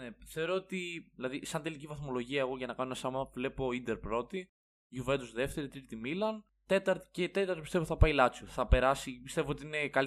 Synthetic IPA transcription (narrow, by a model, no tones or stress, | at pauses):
neθeoɾoot̪iðilɐðisɐnt̪e̞licivɐθmo̞lo̞ʝiɐeɣo̞ʝɐnɐkɐnoenɐsɐmɐɐpvle̞po̞ind̪e̞ɾpɾo̞t̪i | ʝuvent̪uzðe̞ft̪e̞ɾit̪ɾit̪imilɐn | t̪e̞t̪ɐɾt̪i̥cet̪e̞t̪ɐɾt̪opist̪e̞voθɐpɐilɐt͡suθɐpe̞ɾɐsipist̪e̞voot̪iine̞kɐl